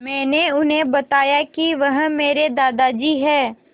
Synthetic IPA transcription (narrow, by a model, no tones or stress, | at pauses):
mɛ̃ːneʊnɦẽbɐt̪aːjakiʋɐɦmeːɾed̪aːd̪ad͡ʒiːɦɛː